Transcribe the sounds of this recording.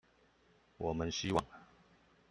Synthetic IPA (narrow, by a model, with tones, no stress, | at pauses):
wɔ˨˩mə˦nɕi˥wɑ̰˥˩ŋ